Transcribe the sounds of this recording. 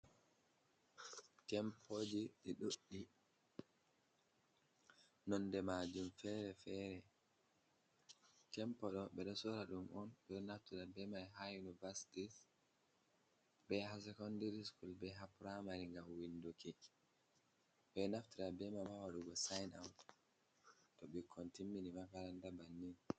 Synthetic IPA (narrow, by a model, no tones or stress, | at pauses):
tɛmpʰoːd͡ʒiɗɛɗoɗːi | nɔndɛmad͡ʒumfɛɾɛfɛɾɛ | tɛmpɔɗɔɓɛɗɔsɔɾaɗumʔɔnɓɛɗɔnaftiɾabɛmajɦajunivasi̥tis | bɛhasɛkɔndeɾiskulbɛɦapɾamaɾiŋɡamwindukɛ | ɓɛnaftiɾabɛmamawaɗuɡɔsajna̰wt | tɔɓɛkʰɔntimːinimakaɾandabanːin